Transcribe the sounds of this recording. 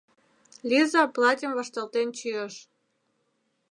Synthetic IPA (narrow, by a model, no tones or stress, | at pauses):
lʲizɑplˠɑtʲimvɑʃt̪ɑlt̪ent͡ɕyəʃ